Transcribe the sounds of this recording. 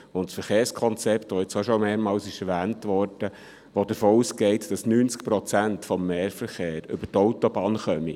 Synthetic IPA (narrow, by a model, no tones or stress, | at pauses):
ʊntsfəɾχeːɾrskʰɔnt͡sɛptʋoɪt͡soʃɔmeːɾmɑːlsɪʃɛɾʋæːntʋɔːɾd̥ə | ʋod̥̪əɾfoːuːsɡɛɪtd̥ɑsnyːnt͡skpɾɔt͡sæntfɔmːeːɾfəɾχeːɾʏbətɔwtɔbɑːnχœmi